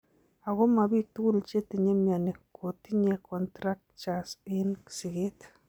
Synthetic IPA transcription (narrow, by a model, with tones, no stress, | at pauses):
a˨ɡo˦ma˨bi˦t̪u˦lt͡ʃe˦t̪i˨ɲe˦mja˨ne˨kʰo˨t̪i˦ɲe˦kɔ˨ntɾa˦k̚t͡ʃa˨sɪ˦nksi˨ɡe˦t̪